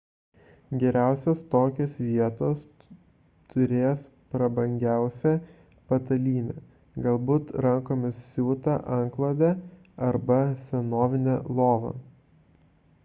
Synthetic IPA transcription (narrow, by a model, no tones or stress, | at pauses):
ɡʲɛɾʲæˑʊsʲɛst̪oːkʲoːsʋʲiɛt̪oːs | t̪ʊɾʲeːs | pɾɐbɐŋʲɡʲæˑʊsʲɛ | pɐt̪ɐlʲiːnʲɛ̰ | ɡɐlˠbuːt̪ɾɐŋkoːmʲɪssʲuːt̪ɐʔɐŋklˠɐd̪ʲæ | ɐɾbɐsʲɛnoːʋʲɪnʲɛlˠoːʋɐ̰